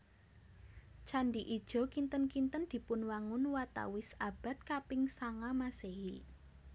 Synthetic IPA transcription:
t͡ʃanɖiʔid̥ʒ̥ɔ̤kint̪ənkint̪ənd̪̥i̤pʊnwaŋʊnwat̪a̰wɪsab̥a̤t̪̚kapɪŋsaŋamaseɦi

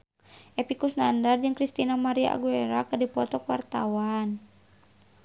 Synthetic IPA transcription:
ʔɛpikusnandard͡ʒɨŋkɾist̪inamaɾia̰ʔa̰ɡuɛɾa̰kɨrdipɔt̪ɔkwart̪a̰wan

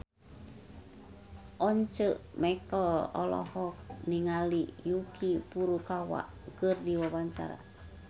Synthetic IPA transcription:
ʔɔɲt͡ʃəʔmɛkɔlɔ̰lɔ̰hɔk̚niŋalijukʰipuɾukawa̰ʔ | kərdiwabaɲt͡ʃa̰ɾa̰

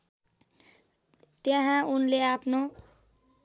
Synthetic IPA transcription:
t̪eɦãunleaːpno

